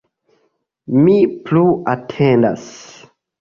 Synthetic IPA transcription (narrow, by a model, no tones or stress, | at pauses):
mipluatʰenda̰s